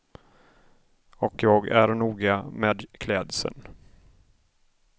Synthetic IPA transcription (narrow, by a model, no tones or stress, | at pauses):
ɔkjɑːɡæɾnuːɡameːd̪kʰlɛːd̪sə̰n